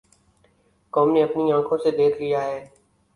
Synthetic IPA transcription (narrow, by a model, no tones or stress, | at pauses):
kɔːmneɐpniãːkʰõsed̪eːkʰlijaɦɛː